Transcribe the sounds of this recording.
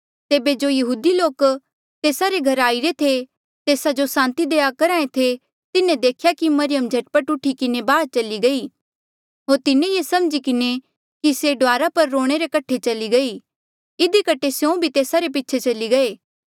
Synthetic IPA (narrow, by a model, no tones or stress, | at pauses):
t̪eːbed͡ʒojɐɦuːd̪iloːk | t̪eːsaɾeɡʱɐɾaːiɾet̪ʰe | t̪eːsad͡ʒosãːnt̪id̪eːakɐɾãːẽt̪ʰe | t̪ɪnẽd̪eːkʰjakimɐɾɪjəmd͡ʒʱɐʈpəʈʊʈʰikɪnebaːd̪̚t͡ʃɐliɡɐi | ɦoːɾt̪ɪnẽjesɐmd͡ʒikɪne | kiseɖʋaːɾapɐɾːoːɽ̃eɾekɐʈʰet͡ʃɐliɡɐi | ɪd̪ikɐʈʰːesjũbʱit̪eːsaɾep̬ɪtːt͡ʃʰet͡ʃɐliɡɐeː